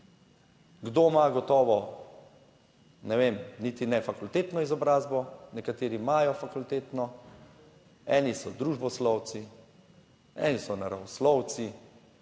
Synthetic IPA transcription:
ɡd̪oːmaɡɔt̪ɔːʋɔ | nɛʋeːmniːt̪inɛfakult̪eːt̪nɔizɔbɾaːzbɔnɛkat̪eːɾimajɔfakult̪eːt̪nɔ | ɛːnisɔd̪ɾuːʒbɔslɔw̪si | ɛ̰ːnisɔnaɾawɔslɔw̪t͡s̪i

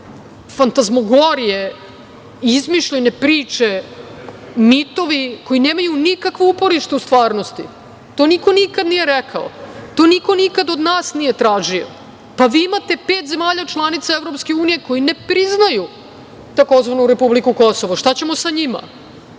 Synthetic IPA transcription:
fant̪azmoɡoɾije | izmiʃʎenepɾiːt͡ʂe | mit̪o̞ʋiko̞jineːmajunikakʋoupo̞ɾiʃt̪eust̪ʋaːɾnost̪ḭ | t̪o̞ːniko̞nikad̪nije̞ɾɛkʰa̰o̰t̪o̞ːniko̞nikad̪od̪naːsnije̞t̪ɾaːʒio̰ | paʋiːimat̪e̞pe̞ːt̪ze̞maːʎat͡ʃlˠanit̪saevɾo̞pske̞uːnije̞ko̞jine̞pɾiznaju | t̪ako̞zʋanuɾe̞publikuko̞so̞ʋoʃt̪at͡ɕe̞mo̞saɲima̰

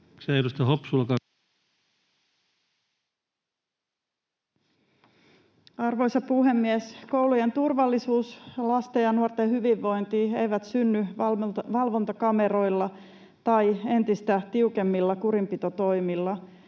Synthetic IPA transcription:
sæiɾust̪ɑhopsulːɑkɑ | ɑrʋo̞jsɑpuɦe̞mːiesko̞wluje̞nt̪urʋɑlːisuːslɑst̪ejɑnuort̪ehyʋiʋːo̞jnt̪iːejʋæt̪synːyʋɑlʋo̞nt̪ɑkɑme̞ɾo̞jlːɑ | t̪ɑje̞nt̪ist̪æt̪iuke̞mːilːɑkuɾimpit̪o̞t̪o̞jmilːɑ

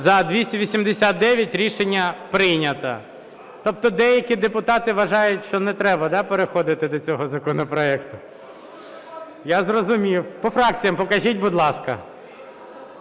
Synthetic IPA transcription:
zɐd̪ʲʋʲisʲtʲɐʋʲisʲimd̪esʲat̪̚d̪ɛʋʲjɐtʲɾʲiʃenʲːɐpɾɪjnʲɐt̪ɐ̰ | t̪ɔp̚t̪ɔd̪ɛjɐkʲid̪epʊt̪ɑt̪ɪʋɐʒɑjʊtʲʃt͡ʃɔnɛt̪ɾɛbɐd̪ɑpeɾexɔd̪ɪt̪ɪd̪ɔt͡sʲɔɦɔzɐkɔnɔpɾɔɛkt̪ʊ | jazrɔzʊmʲiwpɔfɾɑk̚t͡sʲijɐmpɔkɐʒʲitʲbʊd̪lˠɑskɐ̰

